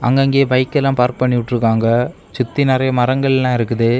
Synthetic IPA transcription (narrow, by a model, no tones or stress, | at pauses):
ʔɐ̰ŋɡɐŋɡeːbɐɪkːɛlːãːpaːɾk̚pɐɳːɪʋɪʈːɯɾɯkːaːŋɡɐ | t͡ʃʊt̪ːinɪɾɐjɐmɐɾɐŋɡɐɭɛlːãːɪɾɯkːɯðɯ